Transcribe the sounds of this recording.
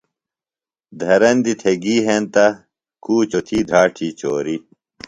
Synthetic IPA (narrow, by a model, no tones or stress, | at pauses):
d̪ʱɐɾɐnd̪it̪ʰeɡiːɦent̪ɐ | kuːt͡ɕot̪ʰiːd̪ʱaːʈʰiːt͡ɕoːɾi